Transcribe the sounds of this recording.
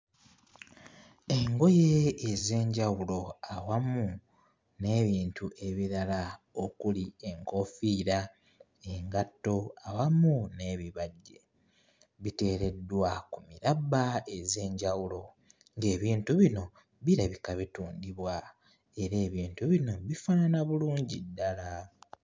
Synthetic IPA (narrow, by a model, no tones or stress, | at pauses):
e̞ŋɡo̞jeːze̞ːɲɟawulo̞awamu | ne̞ːβiːntʰuʔe̞βiɾala | okulie̞ŋko̞fiːɾa | eŋɡatːo̞awamune̞ːβiβaɟːe̞ | βite̞ːɾe̞dːwakumiɾabae̞ze̞ːɲɟawulo̞ | ŋɡe̞ːβiːntuβino̞ | βiɾaβikaβituːndiβwa | e̞ɾe̞ːβiːntuβino̞βifananaβuluːɲɟidːala